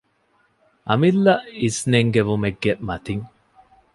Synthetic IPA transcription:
ʔɐ̰milːɐʔisneŋɡeʋumeɡːeʔmɐt̪iŋ

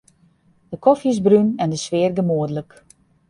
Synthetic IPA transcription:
d̥əkɔfjəsbrynɛndəsʋɪːrɡəmoədələk

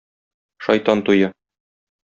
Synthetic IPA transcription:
ʃɒ̰jt̪ɑnt̪ujɤ

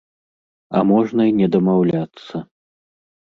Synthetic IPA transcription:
ɐ̰mɔʐnɐinʲɛd̪ɐmawlʲat̪sːɐ

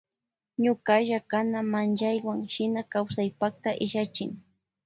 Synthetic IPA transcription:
ɲʊkaʒakanamanʒajwaŋʃɪnakawsajpakt̪aʔɪʒat͡ʃɪŋ

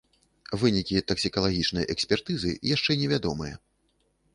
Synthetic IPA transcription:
vɨnʲikʲit̪ɐksʲikɐlˠaɣʲit͡ʂnɐjʔɛksʲpʲɛrt̪ɨzɨ̰jaʂt͡ʂɛnʲɛvʲad̪ɔmɨjɐ̰

